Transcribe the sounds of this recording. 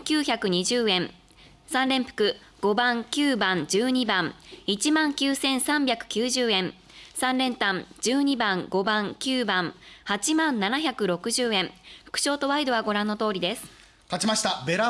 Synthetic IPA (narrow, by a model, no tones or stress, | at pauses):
kʲɨːçakɯ̟ɲ̟iʑɨːẽ̞ɴ | sãnɾẽ̞mpɯ̟̥kɯ̟ | ɡ̥o̞bãŋkʲɨːbãɲd͡ʑɨːɲ̟ibãŋit͡ɕimãŋkʲɨːsẽ̞ɰ̃sãmbʲjakɯ̟̥kʲɨːʑɨːẽ̞ɴ | sãnɾẽ̞nt̪ãnd͡ʑɨːɲ̟ibãŋɡo̞bãŋkʲɨːbãŋhat͡ɕimãnːanaçakɯ̟ɾo̞kɯ̟ʑɨːẽ̞ɴɸɯ̟̥kɯ̟̥ɕo̞ːt̪o̞βaid̪o̞βaɡo̞ɾãnːo̞t̪o̞ːɾʲid̪e̞sɨ̥ | kat͡ɕimaɕi̥t̪abe̞ɾa